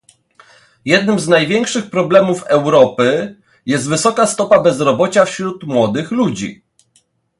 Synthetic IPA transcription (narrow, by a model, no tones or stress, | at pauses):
jɛd̪̚nɘmznajvʲjɛŋkʂɘxpɾɔblɛmufɛwɾɔpɘ | jɛst̪vɘsɔkast̪ɔpabɛzɾɔbɔt͡ɕafɕɾut̪mwɔd̪ɘxlud͡ʑḭ